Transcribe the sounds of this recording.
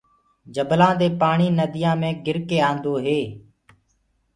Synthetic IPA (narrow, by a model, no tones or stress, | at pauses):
d͡ʒəblãːd̪eːpaːɳiːnəd̪ɪjãːmẽːɡɪɾkeːãːnd̪oːɦeː